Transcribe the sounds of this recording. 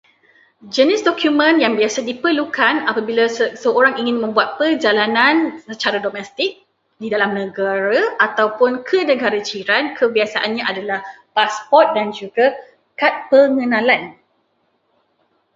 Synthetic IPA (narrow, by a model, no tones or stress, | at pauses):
d͡ʒənɪsdɔkjumə̃njaŋbiasadipərlukanapabilasəoɾaŋiŋɪnmə̃mbuat̪̚pərd͡ʒalanãnsət͡ʃaɾadɔmɛst̪ɪk̚ | didalamnə̃ɡaɾaʔat̪awpʊnkʰənə̃ɡaɾat͡ʃiɾankʰəbiasaʔanɲãʔadalah | paspɔrt̪̚dand͡ʒuɡa | kat̪̚pəŋə̃nãlan